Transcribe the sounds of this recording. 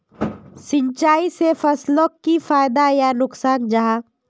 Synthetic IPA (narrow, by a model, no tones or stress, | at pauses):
sɪ̃ɲt͡ʃaːisefɐslokːifaːjd̪ajanʊksaːnd͡ʒaɦaː